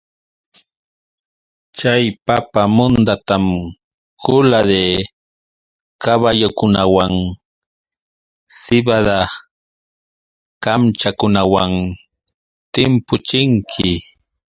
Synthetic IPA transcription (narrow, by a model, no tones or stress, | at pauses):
t͡ʃajpapamʊnd̪at̪am | kʊlad̪e | kaβajʊkʊnawaŋ | sɪbad̪a | kamt͡ʃakʊnawaŋ | t̪ɪmpʊt͡ʃɪŋkʰɪ